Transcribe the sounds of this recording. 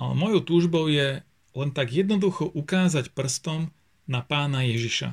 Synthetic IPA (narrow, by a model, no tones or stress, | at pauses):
alɛ̰mɔjɔʊt̪uːʒbɔʊjɛ | lɛnt̪aɡjɛd̪nɔd̪uxɔʔukaːzacpr̩st̪ɔm | napaːnajɛʒiʃa̰